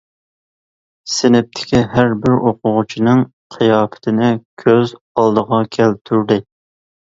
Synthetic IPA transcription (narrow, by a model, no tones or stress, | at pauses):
sɪnɪp̚t̪ʰɪ̥kʲiɦæɾbɪɾoqʰʊʁʊt͡ʃʰinɪŋ | qʰijɑːpʰɪ̥t̪ʰɪnɪkʲʰøz | ɑlˠd̪əʁɑkʲʰælt̪ʰyɾd̪ɪ